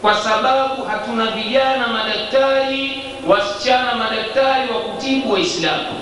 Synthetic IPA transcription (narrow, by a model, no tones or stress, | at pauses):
kwasaɓaɓuhatunaviʄanamaɗak̚taɾi | wasi̥t͡ʃanamaɗak̚taɾiwakutiɓuwaislamṵ